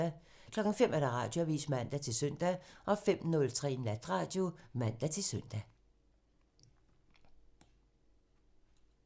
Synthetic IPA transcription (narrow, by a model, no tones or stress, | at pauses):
æ | kʰlɒ̽ɡ̥ŋ̩fem̰æɐɾ̥ɑ̈ʁɑ̈ːd̥jo̝æʋḭːsmæn̰d̥æt͡sʰe̝lsœn̰d̥æʔɒ̽fem̰nɔ̽lt͡sʰʁɛ̰ːnæd̥ʁɑ̈ːd̥jo̝mæn̰d̥æt͡sʰe̝lsœn̰d̥æ